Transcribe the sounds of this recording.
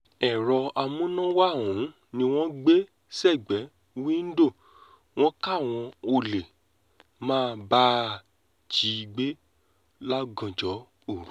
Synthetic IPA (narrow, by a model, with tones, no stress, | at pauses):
ɛ˨ɾɔ˧a˧mũ˦nã˦wa˦˨wũ˨˦ | nĩ˧w̃ɔ̃˦ɡ͡be˦ | sɛ˦˨ɡ͡bɛ˨˦˧ | wĩ˦n̩˦do˦˨ | w̃ɔ̃˦ka˦˨w̃ɔ̃˧o˧le˨ | mãː˦˨˧ba˦ | d͡ʒi˨˧ɡ͡be˦ | la˦ɡɔ̃˨d͡ʒɔ˨˦ | o˦˨ɾu˦˨